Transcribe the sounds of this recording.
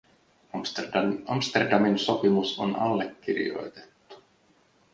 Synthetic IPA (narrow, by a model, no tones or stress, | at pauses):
ɑmst̪erdɑminso̞pimuso̰nɑ̰lːekːiɾḭjo̞̰jt̪e̥t̪ːu̥